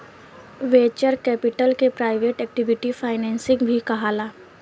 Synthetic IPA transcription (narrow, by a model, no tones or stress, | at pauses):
ʋeːt͡ʃəɾkɛːpɪʈəlkepɾaːɪʋeːʈɛːk̚ʈɪʋɪʈifʰaːɪnɛ̃ːnsɪ̃ŋɡbʱikɐɦaːlaː